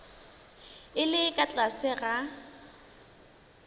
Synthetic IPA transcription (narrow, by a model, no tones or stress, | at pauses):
ɪlɪkʼat͡ɬʼasɪɣa